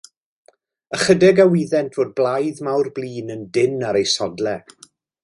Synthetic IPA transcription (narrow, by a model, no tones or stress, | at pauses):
əχədɛɡawiðɛntʰv̥oːd̚blˠajðmawrblˠiːnəndɪnaɾejsɔdlˠɛ